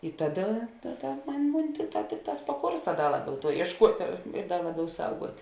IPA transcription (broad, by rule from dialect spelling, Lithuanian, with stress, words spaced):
ɪ ˈtɑːˌdɐ ˈtɑːˌdɐ ˈmʊnʲ ˈmʊnʲ ˈtʲɪkˌtɑː ˈtʲɪkˌtɑːs pɐˈkoːrstɐ ˈdɐ ˈlˠɑːˌbʲɛʊ ˈtuɔ iɛʃˈkuɔtʲeː ɪr ɪr ˈdɐr ˈlˠɑːˌbʲɛʊ ˈsɐʊɡuɔtʲ